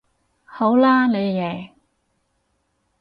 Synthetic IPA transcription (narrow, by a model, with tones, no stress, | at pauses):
ho˨˥wlaː˥ne˨˧jjɛː˨˩